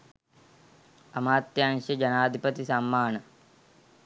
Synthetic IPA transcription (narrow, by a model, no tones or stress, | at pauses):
ɐmaːt̪jaaŋʂəd͡ʒɐnaːd̪ʱipət̪isɐmːaːnə